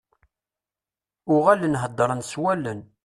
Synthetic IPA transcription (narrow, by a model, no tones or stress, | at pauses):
ʊʁælənɦəd̪ˤːɾˤənswælːən